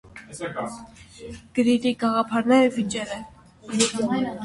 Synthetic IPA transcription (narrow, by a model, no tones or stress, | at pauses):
ɡ̥əɾit̪iɡɑʁɑpʰɑɾnɛɾəvit͡ʃɛɾɛn